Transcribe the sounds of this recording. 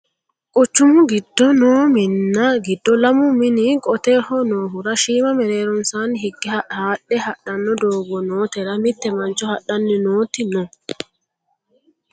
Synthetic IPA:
kʼʊt͡ʃːʊmʊɡɪd̪ːɔnoːmɪnːɐɡɪd̪ːɔlɐmʊmɪnɪkʼɔt̪eːhɔnoːɦʊɾɐʃiːmɐmɛɾe̞ːɾɔnsaːnɦɪɡːɪhɐhaːɗːɛhɐɗɐnːɔd̪oːɡɔnoːt̪ɛɾɐmɪt̪ːɛmɐnt͡ʃɔhɐɗɐnːɪnoːt̪ɪnɔ

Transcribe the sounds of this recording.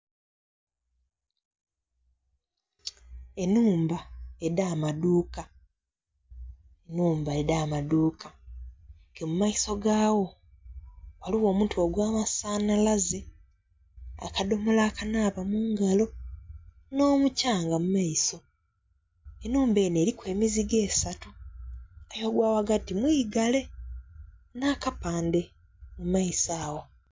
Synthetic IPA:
e̞nuːmbae̞daːmaduːka | enuːmbaedaːmaduːkḁ | kemumaiso̞ɡaːwo̞ | waliwo̞ːmutuoɡwaːmasaːnalaze | a̰kado̞molaːkanaːpamuːŋɡalo̞ | no̞ːmucaːŋɡamumaiso̞ | enuːmbe̞ːne̞ːɾikwe̞ːmiziɡe̞ːsatu | ajoɡwaːwaɡatimwiːɡale̞ | naːkapaːnde̞ | mumaisaːwo̞

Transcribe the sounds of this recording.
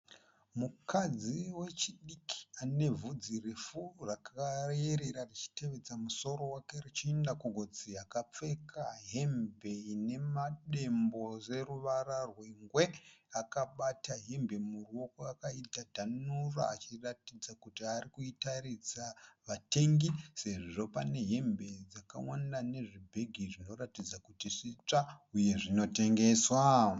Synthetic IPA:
mukʰad͡ziwe̞t͡ʃiɗikʰi̥ane̞vud͡zirifurakareɾeɾarit͡ʃi̥te̞ʋe̞d͡zamuso̞ɾo̞wake̞rit͡ʃiendakoɡʱo̞d͡ziakap͡fe̞kʰaɦe̞mbe̞ine̞maɗe̞mbo̞re̞ruʋararwiŋɡwe̞akaɓataɦembe̞muruo̞koakaitadʱanura̰at͡ʃiratid͡zakutiarikuitarid͡zaʋate̞ŋɡise̞ʐiʐo̞pane̞ɦe̞mbe̞id͡zaka̰wanane̞ʐibʱe̞ɡʱiʐino̞ratid͡zakutiʂit͡ʂauje̞ʐino̞te̞ŋɡe̞swa

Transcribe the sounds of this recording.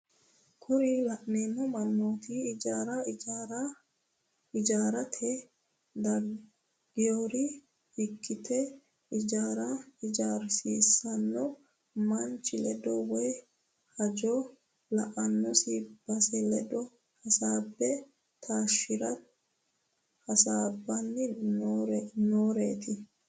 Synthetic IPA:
kʰʊɾɪlɐʔneːmːɔmɐnːoːt̪ɪd͡ʒaːɾɐɾ | ɪd͡ʒaːɾɐt̪ʰɛ | d̪ɐ | ɡɪjoːɾɪ | hɪkːɪt̪ʰɛ | ɪd͡ʒaːɾɐɪd͡ʒaːɾsiːsɐnːɔ | mɐnt͡ʃʼːɪlɛd̪ɔwɛj | hɐd͡ʒɔ | lɐʔɐnːɔsib̥ɐsɛlɛd̪ɔ | hɐsaːbːɛ | t̪ʰaːʃːɪɾɐ | hɐsaːbːɐnːɪɾnoːɾeːt̪ɪ

